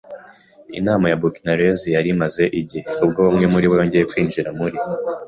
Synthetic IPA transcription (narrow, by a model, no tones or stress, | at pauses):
ḭnaːmajabukinaɾezijaɾimaze̞ʔiɟeubɡoβomŋe̞muɾiβwoɲɟijekwiːnd͡ʒiɾamuɾi